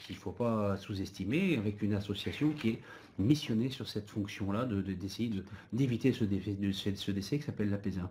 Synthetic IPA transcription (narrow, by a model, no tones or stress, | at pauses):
kilfopasuzɛst̪imeavɛkynasɔsjasjɔ̃kʲiɛ | misjɔnesyʁsɛt̪fɔ̃ksjɔ̃lad̪əd̪d̪esejed̪əd̪evit̪esəd̪eɛəsesəd̪esɛki̥sapɛlːapezɛ̃